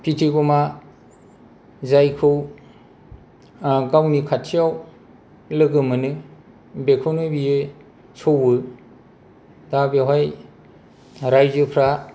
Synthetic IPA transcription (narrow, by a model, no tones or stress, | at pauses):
pʰitʰiɡɔma | zajkʰɯw | ɡawnikʰatʰijaw | lɯɡɯmɯnɯ | bekʰɯwnɯbijɯ | sʰowɯ | dabeɦaj | ɾajzɯpʰɾa